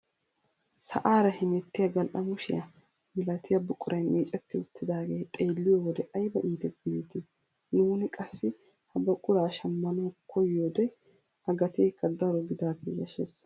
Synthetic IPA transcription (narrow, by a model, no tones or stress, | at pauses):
sɐ̰ʔaːɾɐhɪmɛt̪ːɪjɐɡɐlʔɐmʊʃɪjɐ | mɪlɐt̪ɪjɐbʊkʼʊɾɐjnmʔeːt͡ʃʼɛt̪ːɪʊt̪ːɪd̪aːɡeːt̪ʼeːlːɪjowɔd̪ɛʔɐjbɐʔiːt̪ɛsɡɪdɪt̪ɪ | nuːnɪkʼɐsːɪ | hɐbɐkʼːʊɾaːʃɐmːɐnokʰɔjːoːd̪ɛ | hɐɡɐt̪eːkːɐd̪ɐɾɔɡɪd̪aːfḭjɐʃes